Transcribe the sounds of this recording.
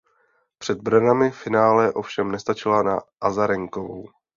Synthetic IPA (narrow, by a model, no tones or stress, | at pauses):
pr̝̥ɛd̪̚brnamɪfɪnaːlɛʔo̞fʃɛmnɛst̪at͡ʃɪlana̰ʔazaɾɛŋkovo̰w